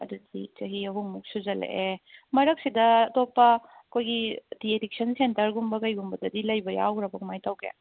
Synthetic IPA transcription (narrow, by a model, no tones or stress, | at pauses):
ɐ̰dudit͡ʃɐɦiɐɦuŋmuk̚suzɐlḛʔemɐɾɐk̚sidɐːtopːɐ | ɐkʰojɡidiedik̚sɐnsentɐɾɡumbɐkɐjɡumbɐdɐdilɐjbɐja̰wɾɐbɐmajtawɡḛ